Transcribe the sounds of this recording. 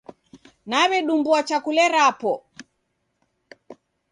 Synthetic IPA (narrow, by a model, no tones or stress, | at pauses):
naβɛɗumbuat͡ʃakulɛɾapɔ